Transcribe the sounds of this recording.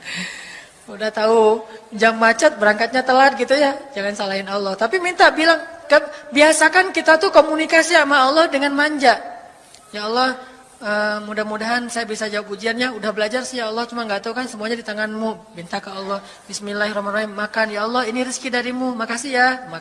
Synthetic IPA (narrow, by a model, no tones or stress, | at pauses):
udaht̪aud͡ʒamːat͡ʃət̪̚bəɾaŋkat̪̚ɲat̪əlat̪̚ɡit̪ujad͡ʒaŋansalaɪnɔlːɔht̪apimint̪abilaŋkəbiasakankit̪at̪ukomunikasiamaɔlːɔhdəŋanmaɲd͡ʒaʔ | jaɔlːɔh | əmudahmudaɦansajabisad͡ʒaupk̚ud͡ʒianɲaudahbəlad͡ʒarsɪjaːlːɔht͡ʃumaŋɡaʔt̪aukansəmuaɲadit̪aŋanmubint̪akaɔlːɔh | bismilarɔmanrɔɦimːakanjaɔlːɔhiniɾəskidaɾimumakasijama